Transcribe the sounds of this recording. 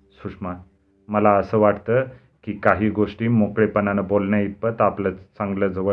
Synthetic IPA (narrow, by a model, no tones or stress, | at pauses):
suʂma | məlaəsəːʋaʈt̪əː | kiːkaɦiːɡoʂʈiːmokɭepənanəbolɳjaipət̪aplət͡sãŋɡləːd͡zəʋə